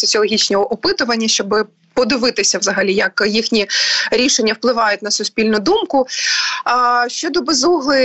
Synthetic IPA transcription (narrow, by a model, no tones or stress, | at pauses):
sɔt͡sʲiɔlˠɦʲit͡ʃnɔɦɔʔɔpɪt̪ʊʋɐnʲːɐʃt͡ʃɔbɪ | pɔd̪ɪʋɪt̪ɪsʲɐʋzɐɦɐlʲijɐkjixnʲiɾʲiʃenʲːɐwplˠɪʋɑjʊt̚ʲnɐsʊsʲpʲilʲnʊd̪umkʊ | ʃt͡ʃɔd̪ɔbezuɦlˠɪ